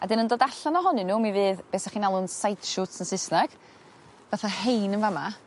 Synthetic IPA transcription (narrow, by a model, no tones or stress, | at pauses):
adɪnəndoːdaɬanɔɦɔnɨnuːmivɨːðb̥eːsaχinalˠʊnsajtʃutsənsɪsnaɡ̥ | vaθahejnənvama